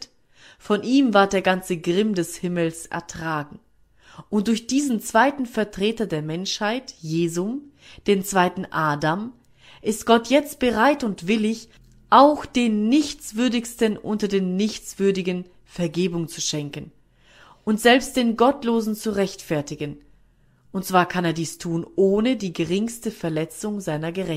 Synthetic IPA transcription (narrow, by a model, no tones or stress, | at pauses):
t | fɔnʔiːmvaɐt̚d̥eːɐɡant͡səɡʁɪmdɛshɪməl̩sʔɛ̰ɐtʁ̥aːɡŋ̩ | ʔʊnt̚d̥ʊɐçd̥iːzn̩t͡sv̥aɪtn̩fɛɐtʁ̥eːtɐdeːɐmɛnʃhaɪtjeːzʊm | d̥eːnt͡sv̥aɪtn̩ʔaːdam | ʔɪstɡ̥ɔtjɛt͡st̚b̥əʁaɪtʊntv̥ɪlɪç | ʔaʊxd̥eːnːɪçt͡sv̥ʏɐdɪçstənʔʊntɐdeːnːɪçt͡sv̥ʏɐdɪɡən | fɛɐɡeːbʊŋt͡suʃɛŋkən | ʊntz̥ɛlpst̚d̥eːnɡɔtloːzn̩t͡suʁɛçtfɛɐtɪɡən | ʔʊntt͡sv̥aːɐkʰaneːɐdiːstʰuːnʔoːnədiːɡəʁɪŋstəfɛɐlɛt͡sʊŋzaɪnɐɡəʁɛ